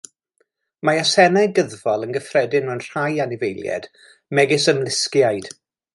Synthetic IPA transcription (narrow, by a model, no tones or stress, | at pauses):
maasɛnɛɡəðvɔlˠənɡəfrɛdɪnmɛnr̥ajanɪvejlˠjɛ̰d̥ | mɛɡɪsəmlˠɪskjajd̥